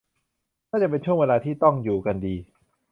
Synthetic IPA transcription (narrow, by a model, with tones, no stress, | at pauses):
naː˥˩t͡ɕa˨˩pe˧nt͡ɕʰu˥˩əŋweː˧laː˧t̪ʰiː˥˩t̪ɔ˥˩ŋjuː˨˩ka˧ndiː˧